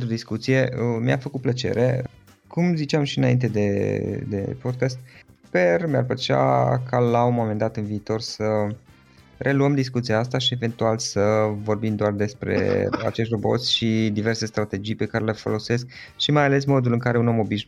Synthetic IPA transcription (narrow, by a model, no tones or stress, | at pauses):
t̪ɾud̪iskut̪sije̞ʔəmia̰fəkut̪̚plət͡ʃḛɾe̞ | kumzit͡ʃiamʃiɨnaint̪̬e̞d̪e̞d̪e̞̰po̞d̪̚kast̪̚pe̞rmea̰rpət͡ʃa̰kʰalaunmo̞me̞nd̪at̪ɨnviːt̪o̞rsə | rʔe̞luəmd̪iskut̪siaast̪aʃie̞ve̞nt̪ualsəvo̞rbimd̪oard̪e̞spɾe̞̰a̰t͡ʃe̞ʃt̪ro̞bo̞̰t̪sʲʃid̪ive̞rse̞st̪ɾat̪e̞d͡ʒijpe̞kaɾe̞lefo̞̰lo̞se̞sk̚ʃimajale̞smo̞d̪ulɨŋkaɾeunomo̞biʃ